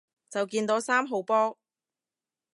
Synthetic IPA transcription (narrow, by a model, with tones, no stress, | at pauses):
t͡sɐ˨wkiː˧nt̪o˨˥saː˥mɦo˨˧wpɔː˥